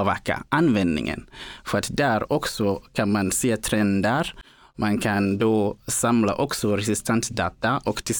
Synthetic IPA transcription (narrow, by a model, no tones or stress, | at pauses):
vakːa̰ʔanvɛnd̪nɪ̰ŋə̰nfœɾat̪d̪æɾɔksɔkʰanmanseːt̪ʰɾɛnd̪əɾ | mankʰand̪oːsamla̰ʔɔksɔɾɛsɪst̪ʰɛnt̪sd̪ɑːt̪aʔɔkt̪ʰɪ